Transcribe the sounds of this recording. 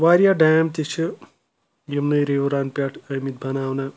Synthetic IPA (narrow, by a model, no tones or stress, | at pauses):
ʋaɾjaɖamt̪et͡ʃʰu | jemnəjɾewɾanpʲaʈʰəjmit̪̚bʱɐnawna